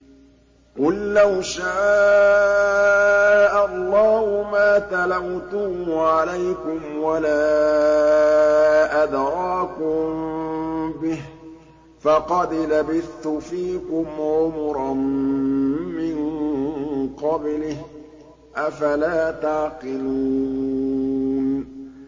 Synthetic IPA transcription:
qʊlːawʃaː | ʔalˤːɑːhʊmaːt̪alamt̪ʊʕalajkʊmwalaː | ʔad̪ɾˤɑːkʊm | bɪh | fɑqɑd̪labɪθt̪ʊfiːkʊmʕʊmɾˤɑnː | ɪn | qɑblɪh | ʔafalaːt̪aʕqɪluː | n

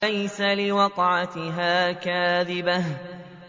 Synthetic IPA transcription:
ajsalɪwɑqʕat̪ɪɦaːkaːðɪbah

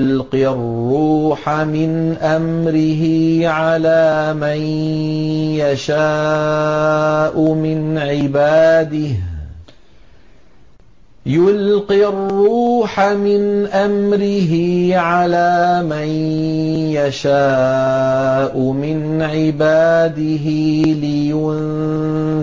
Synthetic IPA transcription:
lqirrːuːħamɪnʔamɾɪɦɪʕalaːman | jaʃaː | ʔʊmɪnʕɪbaːd̪ɪh | jʊlqirːuːħamɪnʔamɾɪɦɪʕalaːman | jaʃaː | ʔʊmɪn | ʕɪbaːd̪ɪɦɪlɪjʊn

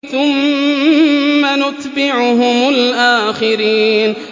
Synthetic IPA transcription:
θʊm | anʊt̪ˤbɪʕʊɦʊmʊlʔaːxɪɾiːn

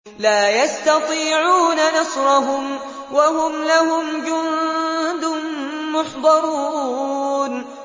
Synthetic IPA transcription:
laːjast̪ɑt̪ˤiːʕuːnanɑsɾˤɑɦʊm | waɦʊmlahʊmd͡ʒʊnd̪ʊnmʊħd̪ˤɑɾˤuː | n

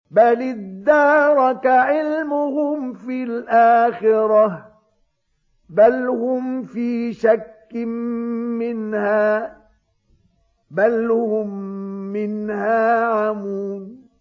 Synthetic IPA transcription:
balɪd̪ːɑːɾˤɑkaʕɪlmʊhʊmfilʔaːxɪɾɑ | balhʊmfiːʃakːɪmmɪnhaː | balhʊmːɪnhaːʕamuːn

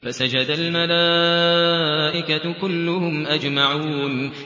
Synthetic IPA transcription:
fasad͡ʒad̪almalaː | ʔɪkakʊlːʊhʊmʔad͡ʒmaʕuuːn

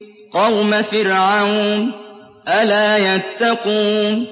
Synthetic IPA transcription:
qɑwmafɪɾʕawn | ʔalaːjat̪ːaquːn

